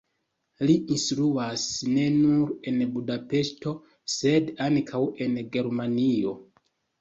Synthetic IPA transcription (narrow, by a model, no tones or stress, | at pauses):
liʔinstɾuasne̞nuɾe̞nbudape̞ʃto̞ | se̞dankʰawe̞nɡe̞ɾmanio̞